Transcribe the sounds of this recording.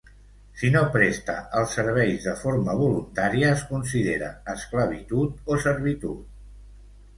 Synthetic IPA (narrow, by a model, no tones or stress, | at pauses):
sinopɾest̪ə̰ʔəlˠsːəɾβ̞ɛjzðəfoɾməβ̞ulunt̪aɾiəːskunsiðeɾə̰ːskləβ̞it̪ut̪osəɾβ̞it̪ut̪̚